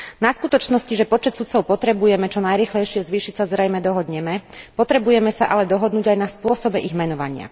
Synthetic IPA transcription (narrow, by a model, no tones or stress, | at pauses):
naskut̪ɔt͡ʃnɔsciʒɛpɔt͡ʃɛt̪sut̪t͡sɔʊpɔt̪ɾɛbujɛmɛt͡ʃɔnajɾiːxlɛjʃɪɛzʋiːʃicsazɾɛjmɛd̪ɔɦɔd̪ɲɛmɛpɔt̪ɾɛbujɛmɛsaʔalɛd̪ɔɦɔd̪nuːɟajnaspʊɔsɔbɛʔiɣmɛnɔʋa̰ɲɪa̰